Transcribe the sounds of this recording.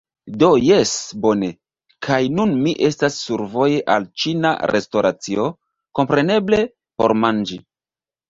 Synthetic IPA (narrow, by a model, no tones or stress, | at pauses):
do̞jesbo̞ne̞ | kʰajnunmiʔe̞stasːuɾvo̞jeʔa̰lt͡ʃina̰ɾʔe̞sto̞ɾʔat͡sio̞ | ko̞mpɾe̞ne̞ble̞ | po̞ɾmand͡ʒi